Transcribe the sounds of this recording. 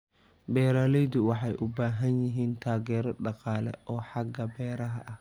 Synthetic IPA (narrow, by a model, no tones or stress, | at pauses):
bɛːɾaːlɛjd̪ʊwɑħɑjʔʊbaːɦɐnjɪɦiːnt̪ʰaːɣɛːɾɔɖɑqɑːlɛ̰ʔɔːħɑɡɐbɛːɾɐɦɐʔɐh